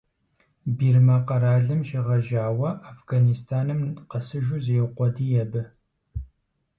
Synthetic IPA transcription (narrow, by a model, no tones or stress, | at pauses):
biːrmɐqɐɾaːɮɨmʃɪʁɐʒaːwɐʔafɡanistʰaːnɨmqɐsɨʒuzeqʷɔdiːjɛbɨ